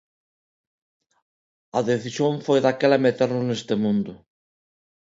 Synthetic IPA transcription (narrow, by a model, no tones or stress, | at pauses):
ɐðeθisjoŋfojðakɛlɐmet̪eɾnʊnest̪emũnd̪ʊ